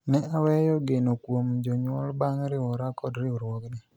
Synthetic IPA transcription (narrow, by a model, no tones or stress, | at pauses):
nɛawɛjɔɡenokwomd͡ʒoɲwɔlbaŋɾɪwɔɾakɔdɾɪuɾwɔɡnɪ